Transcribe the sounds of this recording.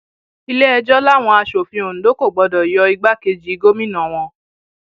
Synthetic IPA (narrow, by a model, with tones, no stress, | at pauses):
i˦lɛ˦ɛ˧d͡ʒɔ˦la˦˨w̃ɔ̃˧a˧ʃo˨fĩ˧õ˨n̩˨do˦ko˦˨ɡ͡bɔ˧dɔ˨jɔ˧i˧ɡ͡ba˦ke˧d͡ʒi˨i˨˦ɡo˦mĩ˦nã˨w̃ɔ̃˧